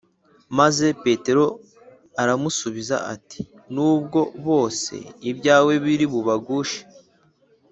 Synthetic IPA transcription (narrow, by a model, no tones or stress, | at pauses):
maze̞pe̞te̞ɾo̞ | aɾamusuβiza̰ʔa̰ti̥ | nuːbɡo̞βo̞ːse̞̰ibɟaːwe̞βiɾiβuβaɡuːʃe̥